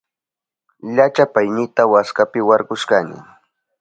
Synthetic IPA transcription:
ʎat͡ʃapajnɪt̪awaskapɪwaɾɢʊʃkanɪ̰

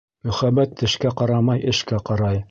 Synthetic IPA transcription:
mɵ̆χæbæt̪ːɘ̆ʃkæqɑɾɑmɑjʔɘ̆ʃkæqɑɾɑj

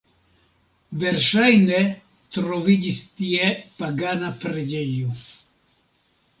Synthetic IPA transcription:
ve̞ɾʃajne | t̪ɾo̞vid͡ʒistiepaɡanapɾed͡ʒejo

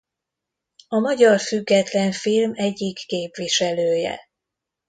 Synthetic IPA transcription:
ɒmɒɟɒrfyɡːɛt̪lɛɱfilmɛɟːikːeːpʋiʃɛløːjɛ̰

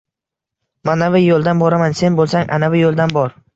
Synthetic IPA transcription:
manavɪjolˠd̪anbɒɾamanse̞nbolˠsaŋʔa̰navɪjolˠd̪anbɒɾ

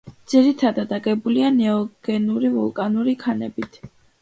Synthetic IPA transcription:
d̪z̥iɾit̪ʰad̪ad̪aɡʼɛbulianɛɔɡ̥ɛnuɾivɔlˠkʼanuɾikʰanɛbit̪ʰ

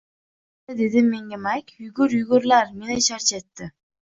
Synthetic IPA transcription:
ɪd̪e̞d̪ɪmːeŋɡʲɪmakʲjʊɡʊɾjʊɡʊɾlaɾmenɪʃaɾt͡ʃʰet̪ːɪ

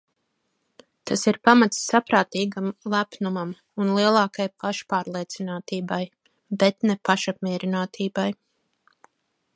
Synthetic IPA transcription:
t̪ʰasiɾpamat̪sːapɾaːt̪iːɡamlˠæpnumam | unlˠiɛlˠɑːkajpaʃpaːɾlˠiɛt̪sinaːt̪iːbaj | bɛt̪nɛpaʃap̚mʲiɛɾinaːt̪ʰiːbaj

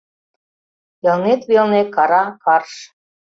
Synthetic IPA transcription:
jɤlnet̪βelnekɑɾɑkɑrʃ

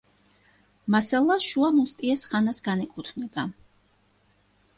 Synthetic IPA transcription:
masalˠaʃuamust̪ʼiɛsχanasɡanɛkʼut̪ʰvnɛba

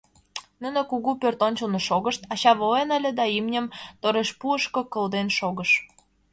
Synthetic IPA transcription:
nunə̆kuɣupørt̪onʲt͡ɕəlnoʃoɣəʃt̪ɑɕɑβoenəlʲed̪ɑimnʲə̆mt̪oɾeʃpuəʃkokə̆ld̪enʃoɣəʃ

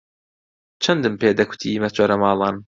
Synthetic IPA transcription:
t͡ʃʰɐnd̪ɨmpeːd̪ɐkʰʊ̥t̪ʰiːmɐt͡ʃʰoːɾɐmɑːlˠɑːn

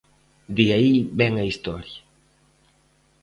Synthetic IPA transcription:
d̪iaibɛŋaist̪ɔɾja

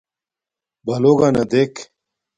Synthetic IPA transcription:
bɐloːɡanɐd̪ek

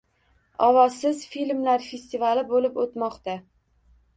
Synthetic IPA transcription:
ɒvɒsɪzfilʲmlaɾfe̞st̪ivalɪbolɪpot̪mɒqt̪a

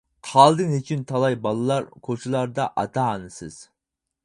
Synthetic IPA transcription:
qʰɑlˠd̪ɨŋɦet͡ʃʰint̪ʰɑlˠɑjbɑlˠɨlˠɑɾkʰot͡ʃʰilˠɑɾd̪ɑʔɑt̪ʰɑːnɨsɨz̥

